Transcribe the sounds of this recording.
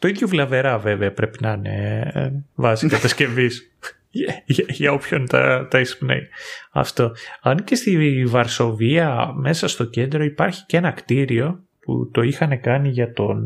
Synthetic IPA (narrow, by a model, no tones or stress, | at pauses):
t̪o̞iðʝovlɐve̞ɾɐve̞ve̞ɐpɾe̞pinɐne̞̰ | vɐzikɐt̪ɐsce̞vis | ʝɐopço̞nt̪ɐ̰t̪ɐispnḛjɐ̰ft̪o̞ɐnce̞st̪ivɐɾso̞viɐme̞sɐst̪o̞ce̞nd̪ɾo̞ipɐɾçi̥ce̞nɐkt̪iɾio̞ | pṵt̪o̞ixɐne̞kɐniʝɐt̪o̞n